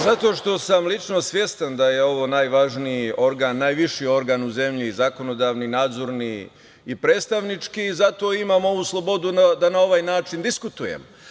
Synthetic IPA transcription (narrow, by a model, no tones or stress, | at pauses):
zat̪o̞ːʃt̪o̞samlit͡ʃno̞sʋje̞st̪and̪aje̞o̞ʋo̞ːnaːjʋaʒnio̞ɾɡaːnːaːjʋiʃio̞ɾɡaːnuze̞mʎizako̞no̞d̪aːʋninaːd̪zo̞ɾni | ipɾe̞ːt̪st̪aʋnit͡ʃkiːzat̪o̞ːimamo̞ʋuːslˠo̞bo̞d̪unad̪anao̞ʋajnaːt͡ʃind̪iskut̪ujḛm